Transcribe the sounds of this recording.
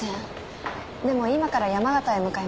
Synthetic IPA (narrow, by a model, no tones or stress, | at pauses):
ẽ | d̪e̞mo̞imakaɾajamaɡat̪aemɯ̟kae